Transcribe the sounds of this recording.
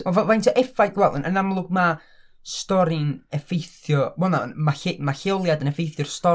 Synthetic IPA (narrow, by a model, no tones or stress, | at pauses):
ɛvavajntʰəʔɛfajɡ̥wɛlˠɪ̰nʔənamlˠʊɡ̚ma | stɔɾɪnɛfejθjɔwɔna̰nmaemaɬɪlˠjadənɛfejθjɔrstɔ